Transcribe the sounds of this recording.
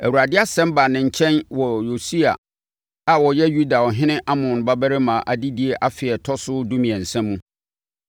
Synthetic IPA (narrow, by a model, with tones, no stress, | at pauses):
æ˨wu˨ɾa˨dɪ˦a˦sɛ̃˦mba˨nɪ̃˨ɲ̩˨t͡ɕʰɛ̃˦nwɔ˨jo˨si˦a̰˨ | a˨wɔ˨jɛ˦ju˦da˨wɔ˨ɦɪ̃˦nɪ̃˦ʔa˦mʊ̃˨n˨ba˦bæ˦ɾɪ˦mã˨ʔa˨di˦di˨˦e˨ʔa˦fɪ˨ɛ˨tʰɔ˦sʊ˦dũ˦mĩ˨ɛ̃˨n̩˨sɛ̃˦mːũ˦